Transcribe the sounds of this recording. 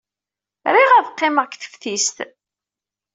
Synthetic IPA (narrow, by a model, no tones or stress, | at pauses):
ɾiʁæðqːɪməʁkθə̥fθist̪